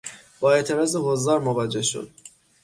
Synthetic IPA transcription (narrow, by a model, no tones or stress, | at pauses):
b̥ɒːe̞t̪ʰe̞ɾɒːzeɦozd̪ɒːɾmovæd͡ʒe̞hʃo̰d̪̥̚